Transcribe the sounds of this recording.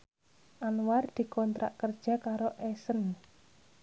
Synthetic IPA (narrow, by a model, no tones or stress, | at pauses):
ʔanward̪̥i̤kɔnt̪ɾa̰ʔkərd̥ʒ̥a̤kaɾoʔɛsən